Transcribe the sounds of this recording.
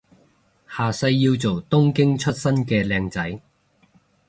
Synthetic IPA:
haː˨sɐ˧jːiː˧wt͡so˨wt̪ʊ˥ŋkɪ˥ŋt͡ʃʰɵ˥t̚sɐ˥nkɛː˧lɛː˧ŋt͡sɐ˨˥j

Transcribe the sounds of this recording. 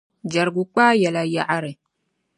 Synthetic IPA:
d͡ʒa˨ɾɡu˨k͡pa˦ja˨la˨ja˦˨ʔa˦ɾe˨

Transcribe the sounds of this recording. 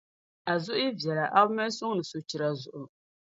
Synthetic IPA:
a˨zʊ˦ʔʊ˦ji˦vjɛ˨la˨ʔa˦bmɛ˦sʊ˦ŋ˦nɨ˨so˨t͡ʃi˨ɾa˨zʊ˨ʔʊ˨

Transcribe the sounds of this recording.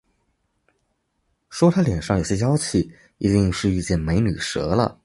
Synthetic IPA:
ʂwɔ˥t̪ʰa˥ljɛ˨˩nʂɑ˥˩ŋjo˨˩ʊɕjɛ˥jɑ˥ʊt͡ɕʰi˨˩˦ | i˧˥t̪i˥˧ŋʂɻ̩˥˧y˥˧t͡ɕjɛ˥˩nme˧˥ɪny˨˩ʂɤ̰˧˥lə̰˧

